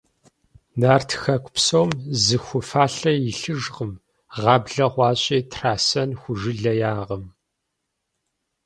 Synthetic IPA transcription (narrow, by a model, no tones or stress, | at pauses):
naːrtʰxɐkʷʰʼʊpsowmzɨxʷʊfaːɬɐjɪɬɨʒʁəm | ʁɑːbɮɐʁʷɑːɕʼiːtʰraːsɐnxʷʊʒɨɮɐjaːʁəm